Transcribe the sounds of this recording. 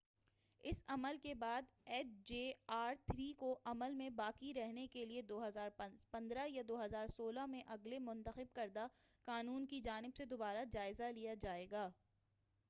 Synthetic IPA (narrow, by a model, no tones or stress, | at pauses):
ɪsɐməlkebaːd̪ɛːʈ̚d͡ʒeːaːɾt̪ʰɾiːkoʔɐməlmẽbaːkiɾɛɦnekelied̪oːɦɐzaːɾpɐ̃nd̪ɾajad̪oːɦɐzaːɾsoːlamẽʔɐɡlemʊ̃nt̪əxɪb̚kɐɾd̪akaːnuːnkid͡ʒaːnɪbsed̪obaːɾad͡ʒaːɪzalijad͡ʒaːeːɡaː